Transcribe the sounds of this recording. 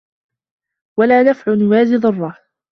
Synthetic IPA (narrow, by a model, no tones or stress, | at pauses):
walaːnafʕʊnʊwaːzɪðˤʊrˤːɑ